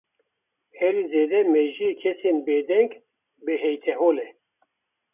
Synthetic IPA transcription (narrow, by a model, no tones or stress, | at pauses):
hɛɾizeːd̪ɛmɛʒiekʰɛsenbeːd̪ɛŋɡ | beɦɛjt̪ʰɛɦoːlɛ